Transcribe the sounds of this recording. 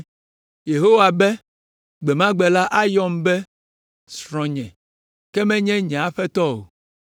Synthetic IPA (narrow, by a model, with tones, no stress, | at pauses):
je˨ɦo˦wa˨bɛ˦ | ɡ͡bɛ˨mã˦ɡ͡bɛ˨la˦ʔa˦jɔ˦mbɛ˦ | sɾɔ̃˨ɲɛ̃˨ | kɛ˦mɛ̃˦ɲɛ̃˦ɲɛ̃˨a˦ɸɛ˦t̪ɔ˦o̰˨